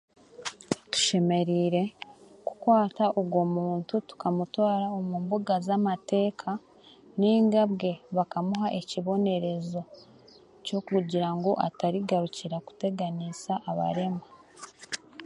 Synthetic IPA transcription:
tu̥ʃe̞me̞ɾiːɾe̞ku̥kwaːtaʔoɡwo̞muːntutu̥kamutwaːɾaomuːmbuɡazamate̞ːkʰa | niːŋɡabɡe̞βakamuɦaʔe̞ciβo̞ne̞ɾe̞zo̞ | co̞kuɟiɾaŋɡo̞ʔataɾiɡaɾuciɾaku̥te̞ɡanisaʔːβa̰ɾe̞ma

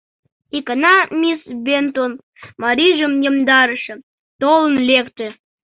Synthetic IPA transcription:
ikɑnɑmʲisbent̪on | mɑɾiʒəmjə̆md̪ɑɾəʃə̆ | t̪olənlekt̪ĕ

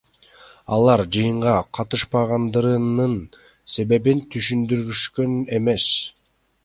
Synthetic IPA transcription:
ɑlˠɑɾd͡ʒɯjɯɴʁɑqʰɑt̪ɯʃpɑʁɑnd̪ɯɾɯnɯn | se̞βe̞bint̪ʰyʃynd̪yɾyʃkøne̞me̞s

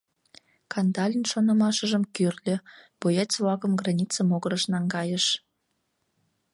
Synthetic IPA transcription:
kɑnd̪ɑlʲinʃonə̆mɑʃə̆ʒə̆mkyrlʲø̆pojɑt͡svˠɑkə̆mɡrɑnʲit͡səmoɣəɾəʃnɑŋɡɑjəʃ

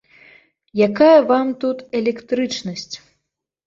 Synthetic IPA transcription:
jakajɐvamt̪ut̪ɛlʲɛkt̪ɾɨt͡ʂnɐsʲt͡sʲ

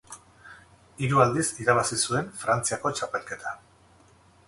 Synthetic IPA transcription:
iɾuald̪isiɾaβ̞asisue̞nfɾant͡siako̞t͡ʃape̞lke̞t̪ʰḁ

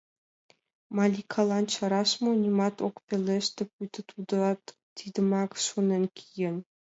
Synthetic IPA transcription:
mɑlʲikʰɑlˠɑnt͡ɕɑɾɑʃmonʲimɑt̪okpʲelʲeʃt̪ʲĕp̚ʲut̪ɘ̆t̪ʰud̪ɑt̪ | t̪id̪ə̆mɑkʃonĕnʲkʲʰijɘ̆nʲ

